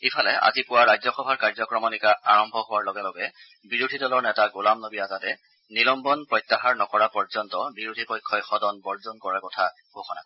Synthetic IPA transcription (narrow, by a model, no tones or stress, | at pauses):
ipʰalɛa̰zipʊwaɹajzɔxɔbʱaɹkaɹzɔkɹɔmɔnikaaɹɔmbʱɔɦʊwaɹlɔɡɛlɔɡɛ | biɹudʱidɔlɔɹnɛtaɡulamnobiazatɛ | nilɔmbɔnpɹɔjtːaɦaɹnɔkɔɹapɔɹzɔntɔbiɹudʱipɔjkʰːɔjxɔdɔnbɔɹzɔnkɔɹakɔtʰa | ɡ̥oxɔna̰